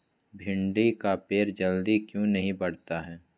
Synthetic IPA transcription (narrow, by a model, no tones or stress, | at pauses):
bʱɪ̃ɳɖikapeːɾd͡ʒɐld̪ikjũnɐɦĩbɐɽ̤t̪aɦɛː